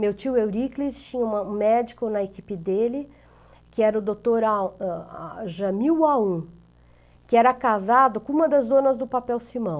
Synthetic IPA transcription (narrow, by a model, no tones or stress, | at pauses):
mewt͡ʃiwewɾiklist͡ʃĩɲɐũmɐũmɛd͡ʒikʊnɐekipɪd̪elɪ | kɪɛɾɐʊd̪ot̪oɾaa̰ʒɐmiwaũ | kɪɛɾɐkazad̪ʊkõũmɐd̪ɐzd̪õnɐzd̪ʊpapɛwsimɐ̃w̃